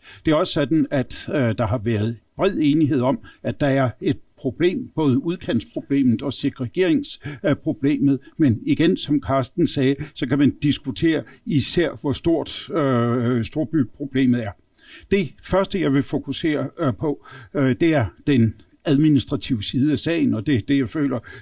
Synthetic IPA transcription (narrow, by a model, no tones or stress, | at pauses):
d̥e̝æɐɒ̽sə̥sɒ̽d̥n̩æd̥d̥ɑ̈ɦɑ̈ʋæːɐð̞ˠb̥ʁɛð̰ˠe̝ːniɦe̝ð̞̰ˠɒ̽mæd̥ɑ̈æɐe̝d̥̚pʰʁo̝b̥le̝̰ːmb̥ɔ̽ːð̞ˠəuð̞ˠkʰæn̰spʰʁo̝b̥le̝̰ːmð̩ˠɒ̽seɡ̥ʁɛɡ̥e̝ɐ̰eŋspʰʁo̝b̥le̝̰ːmð̩ˠmeniɡ̥ensɒ̽mkʰɑ̈ːsd̥n̩sɛːsɒ̽kʰæmænd̥isɡ̥ut͡sʰe̝̰ːɐisæɐ̰ʋɒsd̥o̝ɐ̰d̥ | sd̥o̝ɐ̰b̥ypʰʁo̝b̥le̝̰ːmð̞̩ˠæɐ | d̥e̝fɶɐsd̥əjɑ̈ɪʋe̝fo̝kʰuse̝̰ːɐpʰɒ̽d̥e̝æɐd̥en | æð̞ˠminisd̥ʁɑ̈t͡sʰiʊəsiːðˠəæsɛ̰ɪn̩ɒ̽d̥e̝d̥e̝jɑ̈ɪfø̰ːlɐ